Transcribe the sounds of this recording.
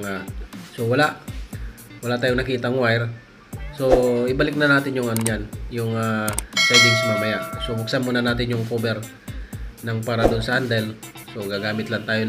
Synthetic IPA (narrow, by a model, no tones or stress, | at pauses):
ŋaso̞wɐlaʔ | wɐlaʔt̪aːjoŋnɐkiːt̪ɐʔŋwajɾ | so̞ʔɪbalɪk̚nɐnaːt̪ɪnjʊŋanjanjʊŋapɛd̪ɪnsmaːmɐjaʔsobʊk̚sanmuːnɐnaːt̪ɪnjʊŋkoːbɛɾ | nɐŋpaːɾɐd̪ʊnsɐʔɐnd̪ɛlso̞ɡaɡaːmɪt̪lɐnt̪aːjo